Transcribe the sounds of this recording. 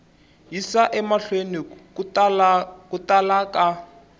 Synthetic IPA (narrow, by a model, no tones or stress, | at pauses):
ɦisaʔɛmaɬwenik | kutalaka